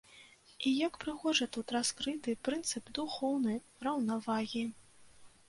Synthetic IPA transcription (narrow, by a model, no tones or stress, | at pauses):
ijakpɾɨxɔʐɐt̪ut̪raskɾɨt̪ɨpɾɨnt̪sɨpd̪uxɔwnɐj | rɐwnavaɣʲi